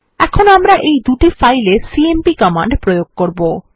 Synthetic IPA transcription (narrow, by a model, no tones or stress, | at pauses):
ɛkʰonamɾaʔejd̪uʈifajlesiempikɔma̰ɳɖpɾojoɡ̚koɾbo